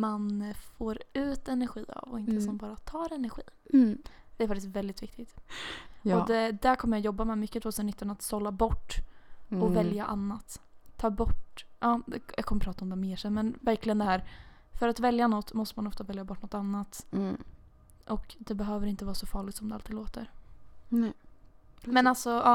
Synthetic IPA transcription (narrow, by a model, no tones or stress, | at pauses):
manfoːɾʉ̟ːt̪ɛnæɾɧiːa̰vɔ̰ɪnəsɔnbɑːɾat̪ʰɑːɾɛnæɾɧiː | d̪̥ɛæɾfak̚t̪ɪst̪vɛld̪ɪt̪vɪk̚t̪ɪt̪ | ɔd̪ɛd̪ækʰɔməɾjajɔbːamɛmʏkːət̪ʰvoːsənɪt̪ːənat̪sɔlːabɔʈːɔvɛljaʔanːat̪ʰːɑːbɔʈʔɑːd̪ɛjʔɑ̰kʰɔməpʰɾɑːt̪aɔmd̪ɛmeːʂɛnːmɛnvæɾklɪɡənd̪ɛhæːɾ | fœɾat̪vɛljanɔt̪ːmɔst̪əmanɔft̪avɛljabɔʈːɳnɔt̪anːat̪ | ʔɔkd̪ɛbɛɦøːvəɾɪnt̪əvɑːɾsɔfɑːɭɪɡ̚t̪sɔmd̪ɛalt̪ːid̪loːt̪əɾ | mɛnalsɔɑː